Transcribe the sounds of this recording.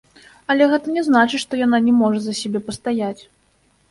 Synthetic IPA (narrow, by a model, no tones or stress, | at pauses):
ɐlʲɛɣɛt̪ɐnʲɛznat͡ʂɨʂt̪ɔjananʲɛmɔʐɐzɐsʲɛbʲɛpɐst̪ajat͡sʲ